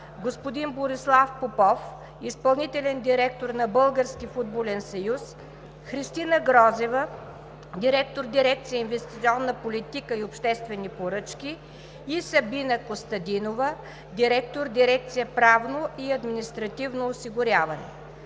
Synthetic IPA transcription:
ɡospʊd̪inboɾislˠafpopɔf | ispɐlˠnit̪ɛlʲɛnd̪iɾɛk̚t̪oɾnɐbɤlˠɡəɾskʲifud̪̚bolʲɛnsɐjus | xɾist̪inəɡɾɔzɛvə | d̪iɾɛkt̪oɾd̪iɾɛk̚t̪sijəinvɛst̪it̪sʲiɔnːəpolit̪ikəiopʃt̪ɛst̪vɛnipoɾɤt͡ʃkʲiː | sɐbinəkost̪ɐd̪inovə | d̪iɾɛk̚t̪oɾd̪iɾɛk̚t̪sijəpɾavnoʔiɐd̪minist̪ɾɐt̪ivnoːsiɡʊɾʲjavɐnɛ̰

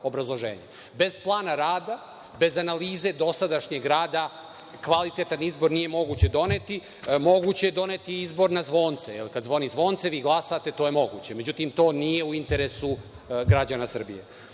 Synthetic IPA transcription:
o̞bɾazlˠoʒḛːɲe | be̞zplˠaːnaɾaːd̪a | be̞zanaliːze̞d̪o̞sad̪aʃɲeɡɾaːd̪a | kʋalit̪et̪anizbo̞ɾnijemo̞ɡuːt͡ɕe̞d̪o̞net̪i | mo̞ɡut͡ɕejed̪o̞net̪iizbo̞ɾnazʋo̞ːnt̪sejelikad̪zʋo̞nizʋo̞ːnt̪seʋiːɡlˠasat̪e̞t̪o̞ːjemo̞ɡṵt͡ɕeme̞d͡ʑut̪imt̪o̞ːnije̞uint̪eɾesu | ɡɾad͡ʑanasr̩bḭje

